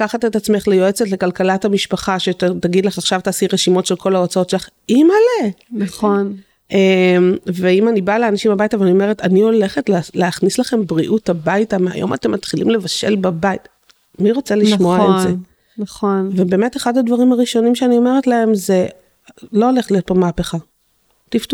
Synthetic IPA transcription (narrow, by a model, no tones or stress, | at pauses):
kaχat̪et̪at͡sme̞χlejo̞et͡setle̞kalkalathamiʃpaχaʃetaɡid̪laχaχʃavtaːsiʁeʃimo̞tʃe̞lkʰo̞laot͡saotʃeaχ | imalenaon | ʔemveimanibaleanaʃimabajtaveanio̞me̞ʁetanio̞le̞χetlleaχnislaχe̞mbʁiʔutabajtamea̰jʔo̰matemːat̪χilimle̞vaʃe̞̰lbabait | miʁo̞t͡seliʃmoaeze | nɐχonvebe̞ːme̞teχadadvaʁimaʁiʃo̞nimʃeanio̞me̞ʁetlae̞mze̞ | loole̞χtlijo̞t̚pomaːpe̞χa | tiftu